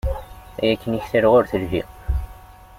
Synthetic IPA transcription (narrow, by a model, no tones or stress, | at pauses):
æjækːəniçθiɾʁʊɾθəlvḭʁ